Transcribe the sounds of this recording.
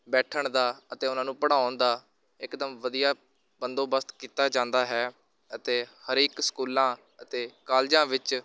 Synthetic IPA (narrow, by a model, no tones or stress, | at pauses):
bɛːʈʰəɳd̪aːət̪eːʊnãːnũːpəɽãːʊnd̪aː | ɪkd̪əmʋəd̪ijaː | bənd̪oːbəst̪kiːt̪aːd͡ʒãːnd̪aːɦɛː | ət̪eːhəɾeːksə̥kuːlãː | ət̪eːkaːld͡ʒãːʋɪt͡ʃ